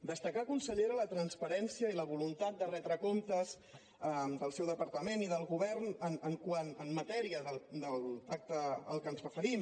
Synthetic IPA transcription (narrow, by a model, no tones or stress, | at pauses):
d̪əst̪əkakunsəʎeɾələt̪ɾənspəɾɛnsiəiləβ̞ulunt̪at̪̚d̪ərɛd̪ɾəkomt̪əz | əd̪əlˠsɛwðəpəɾt̪əmeniðəlˠɣuβɛrnənəŋkwanəmːət̪ɛɾiəðəld̪əlˠak̚t̪əə̰lˠkənzrəfəɾim